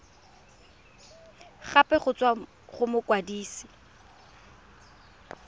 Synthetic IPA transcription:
χapʼɛχʊt͡sʼwa | χʊmʊkwadiːsi̥

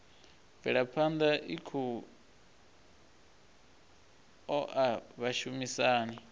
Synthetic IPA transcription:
vɛɺapʰand̪aʔikʰu | ɔʔaβaʃumisaːni

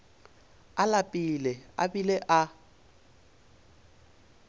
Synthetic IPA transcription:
alapʼilɪa̰bileʔa

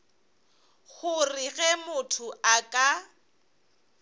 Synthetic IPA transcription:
ɣʊrɪɣɛmʊtʰʊakʼa

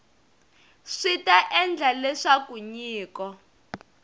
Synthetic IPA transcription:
ʂitaʔɛnd͡ɮʱalɛʂakuɲiːkɔ

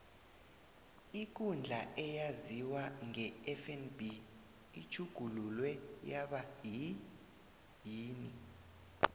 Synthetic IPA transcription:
ik̬und͡ɮʱaʔɛjaziwaŋɛɛfɛnbi | it͡ʃʰuɡ̥ʱululwɛjaɓaji | jiːni

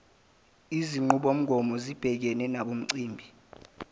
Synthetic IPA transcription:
iziŋ͡ǃuɓom̩ɡʱɔmɔzib̥ʱɛk̬ɛnɛnaɓom̩ǀiːmbʱi

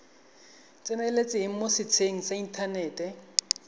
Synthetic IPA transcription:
t͡sʼɪnɛlet͡sʼɪɦɪŋ̩mosɪt͡sʰeŋ̩saintʰanɛːtɛ

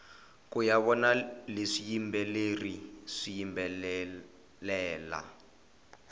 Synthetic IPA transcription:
kujaβɔnaleʂijimbɛleriʂijimbɛ | lɛːla̰

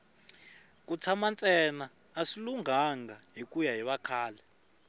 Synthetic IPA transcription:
k̬ʼut͡sʰamant͡sʼɛnaː | siluŋaŋɡaɦikʼujaɦiɓakʰaːlɛ

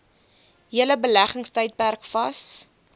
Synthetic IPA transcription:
ɦiələbəlæχəŋstəjt̚pærkfɐs

